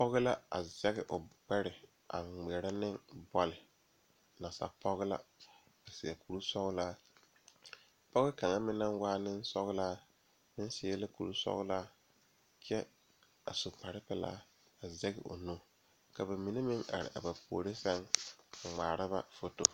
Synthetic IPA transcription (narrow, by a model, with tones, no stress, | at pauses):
pɔ˦ɣɪ˦la˦a̰˨zɛ˦ɣɪ˨ʔʊ˨k͡pɛ˦ɾɪ˨ | a̰˨ŋ͡mɛ˨ɾa˦nɪ˦ŋbɔ˦lɪ˨ | na˨sa̰˨pʰɔ˦ɣɪ˦la̰˦ | ba˨sɪ˨a˨ku˨ɾu˦sɔ˦ɣla˦ | pɔ˦ɣɪ˦ka˨ŋa˦mɪ˦na˦ŋ˦waː˦nɪ˦n˦sɔ̰˦ɣɪ˦la˦ | mɪ˦n˦sɪ˦ɛ˦la˦ku˨ɾu˦sɔ̰˦ɣɪ˦la˦ | kʰɛ˦ | a̰˨so˨pa˨ɾɪ˦pɛ˦la̰ː˦ | a˨zɛ˦ɡɪ̰˨ʔo̰˨no˦ | ka˨ba˨mi˨ne˦mɪ˦ŋa̰˨ɾɪ̰˨ʔa̰˨ba˨pʰoː˨ɾe˦sɛ˦ŋ˨ŋ͡maː˨ɾa˦ba̰˦fo˦to˨